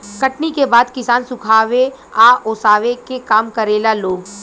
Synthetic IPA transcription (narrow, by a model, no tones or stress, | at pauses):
kɐʈnikebaːd̪kɪsaːnsʊkʰaːʋeaːoːsaːʋekekaːmkɐɾeːlaloːɡ